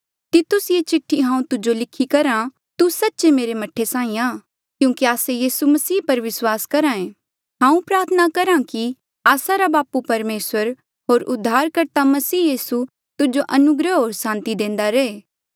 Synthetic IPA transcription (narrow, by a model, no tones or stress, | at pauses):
t̪ɪt̪ʊsjet͡ʃɪʈʰːiɦãːũt̪ʊd͡ʒolɪkʰːikɐɾã | t̪usɐtːt͡ʃemeːɾemɐʈʰːesãːĩaː | kjũːkiaːsejiːsumɐsiːpɐɾʋɪswaːskɐɾãːẽː | ɦãːũpɾaːɾt̪ʰənakɐɾãki | aːsaɾabaːpupɐɾmeːswəɾ | ɦoːɾʊd̪ʱːaːɾkɐɾt̪amɐsiːjiːsu | t̪ʊd͡ʒoʔɐnʊɡɾəɦoːɾsãːnt̪id̪ẽːnd̪aɾeeː